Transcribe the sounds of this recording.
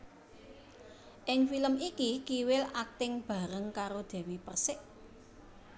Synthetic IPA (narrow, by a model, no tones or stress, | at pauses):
ʔɪŋfiləmikikiwɪlak̚t̪ɪŋb̥ä̤ɾəŋkaɾod̪̥ɛ̤wipərsɪʔ